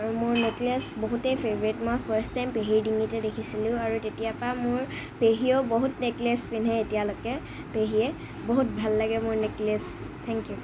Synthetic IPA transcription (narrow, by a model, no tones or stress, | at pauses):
aɹumʊɹneklesboɦutejpʰevɔɹitmojpʰaɹstajmpeɦiɹdiŋitɛdekʰisilʊ̃aɹutetijapamʊɹ | peɦioboɦutneklespinɦɛetijalokɛ | peɦiɛ | boɦut̚bʱalːaɡɛmʊɹneklestʰɛŋkju